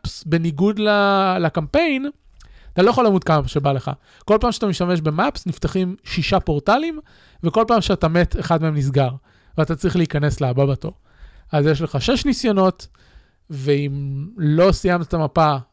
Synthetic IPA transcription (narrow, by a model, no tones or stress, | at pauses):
psbe̞niɡudlalakampe̞jn | at̪alo̞jeχolaːmud̚kamʃe̞bale̞χa̰ | ko̞lpaːmʃeat̪amiʃtame̞ʃbe̞mapsnift̪aχimʃiʃapo̞ʁtalim | veko̞lpaːmʃeatame̞tʰeχad̪meemnis̬ɡaʁ | veatat͡sʁiχleikanesleababato̞̰ | azjeʃle̞χaʃe̞ʃnisjono̞t | veimlo̞sijamt̪atamapa